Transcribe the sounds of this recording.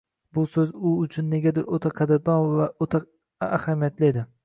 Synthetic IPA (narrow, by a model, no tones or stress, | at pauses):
bʊsɵzʊʊt͡ʃʰʊnːe̞ɡʲad̪ɪɾot̪ʰaqʰɑd̪ɪɾd̪ɒnvaʔot̪ʰa | a̰hamijat̪ʰlɪed̪ɪ